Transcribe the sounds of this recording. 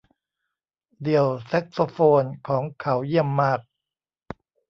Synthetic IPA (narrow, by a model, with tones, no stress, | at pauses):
di˨˩əwse˦˥k̚so˧foː˧nkʰɔː˩˦ŋkʰa˩˦wji˥˩əmːaː˥˩k̚